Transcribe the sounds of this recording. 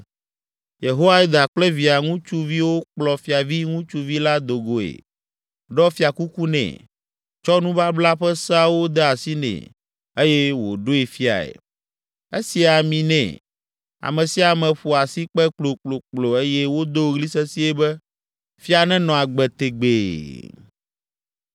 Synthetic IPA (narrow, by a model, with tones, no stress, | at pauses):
je˨ɦo˦wa˦i˦d̪a˨k͡plɛ˦vi˨a˨ŋũ˦t͡ʃu˦vi˦wo˦k͡plɔ˨fi˦a˨vi˦ŋũ˦t͡ʃu˦vi˦la˦d̪o˨ɡo˨ḛ˨ | ɖɔ˦fi˦a˨ku˦ku˦nɛ̰̃˨ | t͡ʃɔ˦nũ˦ba˦bla˦ɸɛ˦sa˦wo˦d̪ɛ˦a˨si˦nɛ̰̃˨ | e˦jɛ˦wo̰˨ɖo˦e˨fi˦a̰˨ḛ˨ | e˦si˨a˨mĩ˨nɛ̰̃˨ | a̰˨mɛ̃˨si˦a˨mɛ̃˨ɸo˨a˨si˦k͡pɛ˦k͡plo˨k͡plo˨k͡plo˨e˦jɛ˦wo˦d̪o˦˨ɣli˦sɛ˦si˦e˦bɛ˦ | fi˦a˨nɛ̃˦nɔ̃˨a˨ɡ͡bɛ˨t̪e˨ɡ͡be˨